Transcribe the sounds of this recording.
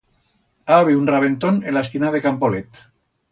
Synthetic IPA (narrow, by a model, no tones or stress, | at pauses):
aβiunraβent̪onenlaskinaðekampolet̪